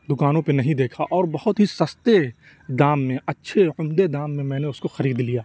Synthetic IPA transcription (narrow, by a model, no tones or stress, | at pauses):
d̪ʊkaːnõpenɐɦĩd̪eːkʰaʔɔːɾbɐɦʊt̪ɦisɐst̪e | d̪aːmːẽɐtːʃʰeʊmd̪ed̪aːmːẽmɛ̃ːneʊskoxɐɾiːd̪lijaː